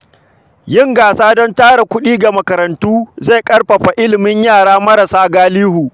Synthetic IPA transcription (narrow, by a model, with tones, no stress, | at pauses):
jɪ˦ŋɡaː˨saː˦dɔ˦ntaː˦ɽa˨kʷʊ˦ɗiː˦ɡa˨mɐ˨kɐ˨ɾɐ˨ntuː˦ze˦˨kʼɐ˦ɽɸɐ˨ɸa˨ʔɪ˦lɪ˨mɪ˦ɲjaː˦˨ɽaː˦mɐ˦ɾɐ˨saː˦ɡaː˦liː˦huː˨